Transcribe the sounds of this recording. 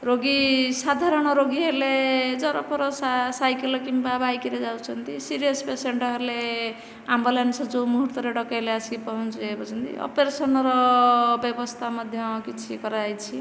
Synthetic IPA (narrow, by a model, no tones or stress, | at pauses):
ɾoɡisad̪ʱaɾɔɽ̃ʌɾoɡiɦʌɾled͡zʌɾɔpʰɔɾɔsasajkelʌkimpabajkiɾed͡zawt͡sʰʌnt̪isiɾijʌspeseɳʈʌɦʌɾle | ambalansɔd͡zomuɦuɾt̪ɔɾeɖʌkajleaskipʌɦunt͡sʰuebʌt͡sʰʌnt̪ḭɔ̰peɾesʌnɾɔbjʌbʌst̪ʰamʌd̪ʱjʌkit͡sʰikʌɾajt͡sʰi